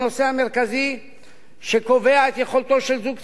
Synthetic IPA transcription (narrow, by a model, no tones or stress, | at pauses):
no̞seame̞ʁkazi | ʃeko̞ve̞aet̪je̞χo̞lt̪o̞ʃelzuɡ